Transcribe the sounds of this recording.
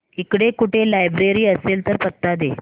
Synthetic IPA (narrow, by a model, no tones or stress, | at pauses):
ikɽekuʈʰelajbɾeɾiːəselt̪əɾpət̪ːad̪e